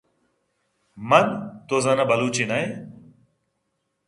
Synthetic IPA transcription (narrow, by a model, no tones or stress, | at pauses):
mɐnt̪ozɐnɐbɐluːt͡ɕinɐj